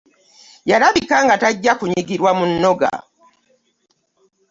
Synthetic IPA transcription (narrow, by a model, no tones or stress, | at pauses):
jalaβikaŋɡataɟːakuɲiɡiɾwamunːoɡa̰